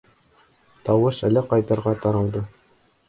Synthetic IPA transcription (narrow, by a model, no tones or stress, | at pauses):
t̪ɑwɤʃælæqɑjðɑ̆ɾʁɑt̪ɑɾɑlˠd̪ɤ